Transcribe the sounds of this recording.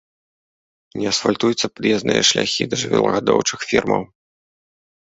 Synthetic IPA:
nʲɛɐsfalʲt̪ujut̪sːɐpd̪ʲɛznɨjɐʂlʲaxʲid̪ɐʐɨvʲɛ̰lˠɐɣad̪ɔwt͡ʂɨxfʲirmɐ̰w

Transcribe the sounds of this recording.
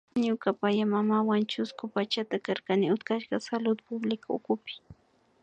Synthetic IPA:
ɲʊkapajamamawant͡ʃʊskʊpat͡ʃat̪akaɾkanɪʊt̪kaʃɢɑsalʊd̪ʊpʊblɪkʊʊ̰kʊpɪ̥

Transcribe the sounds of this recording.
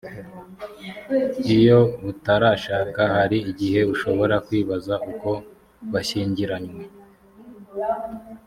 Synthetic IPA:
ijo̞βutaɾaːʃaːkahaɾiːɟihe̞uʃo̞βo̞ɾakwiːβazauko̞ | βaʃiːɲɟiɾaɲwe̞

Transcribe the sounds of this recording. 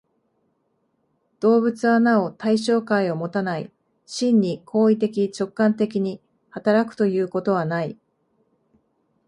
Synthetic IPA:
d̪̥o̞ːbɯ̟t͡sɨanao̞t̪aiɕo̞ːkaio̞mo̞t̪anai | ɕĩɲːikʰo̞ːit̪e̞k̬ʲit͡ɕo̞kːãnt̪e̞kʲiɲ̟i | hat̪aɾakɯ̟̥t̪o̞jɯ̟ːko̞t̪o̞β̞anai

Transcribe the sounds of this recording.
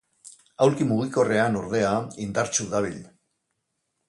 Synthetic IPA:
awɾkimuɣ̞iko̞re̞anoɾðe̞aind̪aɾt͡suðaβ̞il

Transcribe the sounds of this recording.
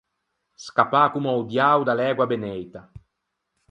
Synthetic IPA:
skapːakumawd̪jawd̪alɛːɡwabenɛjt̪a

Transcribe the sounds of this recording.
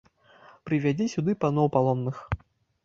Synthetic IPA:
pɾɨvʲad͡zʲisʲud̪ɨpanɔwpalˠɔnːɨx

